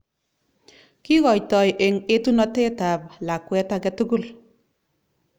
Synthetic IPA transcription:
ki˦kɔ˨jtɔ˨jʔe˨ŋe˦tu˦nɔ˦te˦ta˨p̚la˨kːwɛ˦ta˦kɛtu˦ɡu˦l

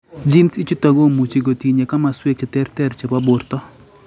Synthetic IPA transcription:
d͡ʒi˦nsi˦t͡ʃu˦tɔ˨ɡo˦mu˨t͡ʃi˨ɡo˨ti˨ɲe˨ka˦ma˨swe˦kɪ˨tɛ˦ɾtɛ˦ɾt͡ʃe˨pa˦bʊ˨ɾtɔ˦

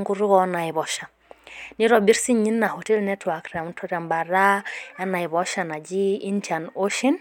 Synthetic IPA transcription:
ŋɡu˦ɾu˦ɣɔna˨i˨βɔʃa˨ | ni˦ɾɔbi˦ɾsiɲi˦nːa˨hɔtɛ˦lnɛtwakɾa˨mtʰɔɾamba˨ra˦a˦na˨i˨βɔʃana˨d͡ʒi˦i˦ntʰanoʃin

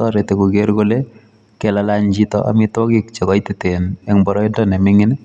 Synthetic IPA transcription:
ɔ˦ɾe˨te˨ko˨ɡe˦ɾɡo˦le˦ | kɛ˦lala˦ɲd͡ʒi˦tɔ̰ʔa̰˨mɪtwɔ˦kɪ˦k̚t͡ʃɔ˨kɔ˦i˦ti˨te˨nɛ˦ŋbɔ˨ɾɔ˦ɪ˦ndɔ˦nɛ˨mɪ˦ŋɪ˦n˦

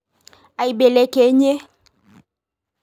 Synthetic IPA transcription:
a˨i˨be˨le˨˦ke˨˦ɲe˦

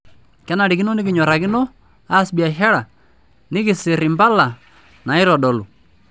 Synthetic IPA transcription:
kɛ˦na˨ɾi˨kɪ˦nɔ˦nɪ˦k̬ɪ˨ɲɔ˨ɾa˨kɪ˦nɔ˦ | a˦sbi˨a˨ʃa˦ɽa˨ | nɪ˦kɪ˨sɪ˨ɾɪ˨mpa˦la˨ | na˨ɪ˦ɾɔ˨ɗɔ˨lu˨

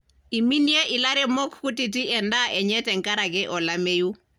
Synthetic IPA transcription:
i˨mi˦ni˦jɛ˦ʔi˨la˦ɾɛ˦mo˦kʰku˦ti˨tʼi˦ɛ˨nda˦ʔɛ˨ɲɛ˦tʼɛ˨ŋ̩˦kʼaɾa˨kɛ˦ʔɔ˨la˦meː˦ju˦

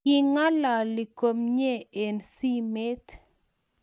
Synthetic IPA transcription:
ɪ˦ŋa˦la˨lɪ˨ko˨mɲe˦˨e˨nsi˦me˦t̪

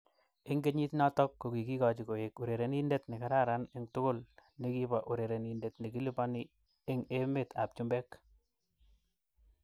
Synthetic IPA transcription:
e˦ŋɡe˦ɲi˦tnɔ˦tɔ˦kːo˨ki˨ki˦kɔ˨t͡ʃi˨ko˨e˨ku˨ɾe˨ɾe˨ni˦nde˦tnɪ˨ka˨ɾa˦ɾa˨ne˦ŋtʊ˦kʊ˦lne˦ki˦ba˨ʔu˨ɾe˨ɾe˨ni˨nde˨tni˨ki˦li˦pɔ˦ni˦ | e˦ŋe˦me˦tʰa̰˨p̚t͡ʃu˦mbe˦k

